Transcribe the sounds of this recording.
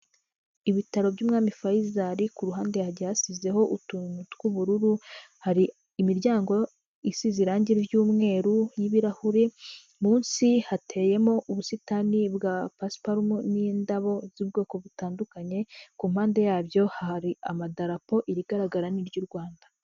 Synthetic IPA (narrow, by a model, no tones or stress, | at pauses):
iβitaɾo̞bɟuːmŋaːmifajizaɾikuɾuɦaːnde̞jaɟasize̞ho̞ʔutumutkuβuɾuɾuhaɾiː | miɾɟaːŋɡo̞ | isiziɾaːɲɟiɾɾjuːmŋe̞ːɾujiβiɾahuɾe | muːnsihatʰe̞je̞mo̞ʔuβusitanibɡapaspaɾumuniːndaβo̞zibɡo̞ːko̞βutaːndukaɲe̞kuːmhaːnde̞jaːbjo̞haɾiamadaɾapo̞ʔiɾiɡaɾaɡaɾaniɾɟuɾɡwaːnda